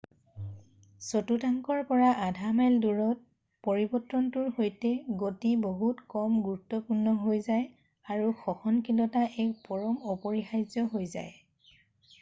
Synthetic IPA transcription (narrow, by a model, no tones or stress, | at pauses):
sotutaŋkɔɹpɔɹaʔadʱamalduɹɔt̚ | poɹibɔtːɹɔntuɹhojtɛɡotiboɦutkɔmɡuɹutːɔpuɹnɔɦojzaj | aɹuxɔxɔnkilɔtaʔɛk̚pɔɹɔmɔpɔɹixajzɔɦojza̰j